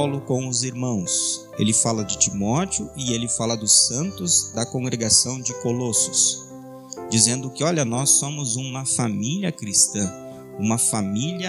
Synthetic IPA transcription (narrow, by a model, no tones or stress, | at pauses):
wlʊkõw̃ʊziɾmɐ̃w̃s | ḛlɪfalɐd͡ʒɪt͡ʃimɔt͡ʃɪʊʔɪelɪfalɐd̪ʊsɐ̃nt̪ʊzd̪ɐkõŋɡɾeɡasɐ̃w̃d͡ʒɪkolosʊ̥s | d͡ʒizẽnd̪ʊkɪɔʎɐnɔsːõmʊzũmɐfamiljɐkɾist̪ɐ̃ | ũmɐfamiliɐ